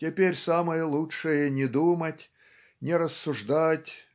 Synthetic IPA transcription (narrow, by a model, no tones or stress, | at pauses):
tʲɪpʲerʲsamɨjəlˠuʂɨjənʲɪd̪umətʲ | nʲɪɾəsːʊʐd̪atʲ